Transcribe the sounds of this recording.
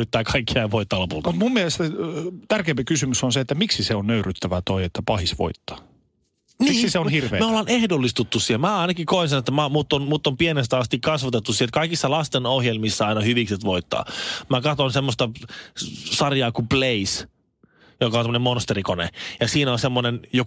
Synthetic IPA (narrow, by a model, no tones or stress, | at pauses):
yt̪ːæːkɑikːiɑiʋoit̪ːɑlopṵlt̪ɑut̪mumːiɛlest̪t̪ærkeːmpikysymysonseet̪ːæmiksiseonnøyryt̪ːæʋæt̪oiet̪ːæpɑhisʋo̰it̪ːɑ̥ | niːiseohirʋḛːmæolːɑnehdolːist̪ut̪ːussielmæːɑinɑkikoinsenet̪ːæmæmuːt̪ːonmuːt̪ːompienest̪æɑst̪ikkɑsʋɑt̪et̪ːussielt̪̚kɑikisːɑlɑst̪enohjelmisːæɑinɑhyʋikset̪ʋoit̪ːɑ̰ːmækɑt̪onsemːost̪ɑ | sɑrjɑːkupleis | jokɑonsmːonemːonst̪erikonḛjɑsiːnonsemːonenjo